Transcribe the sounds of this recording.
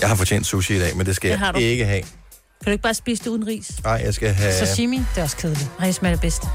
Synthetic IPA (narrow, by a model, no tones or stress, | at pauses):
jɑ̈ɪhɑ̈fɒt͡ɕʰḛnd̥suɕiid̥ɛ̰ːmend̥e̝sɡ̥æjhɑ̈d̥ueɡ̥əɦɛ | kʰæd̥ue̝ɡ̥̚ɑ̈ːsb̥iːsəd̥euðˠn̩ʁḭːsɑɪ̰jɑ̈ɪsɡ̥æɦæsɒimid̥e̝æɒ̽skʰeð̞ˠli̥ʁɛsmæleb̥esd̥ə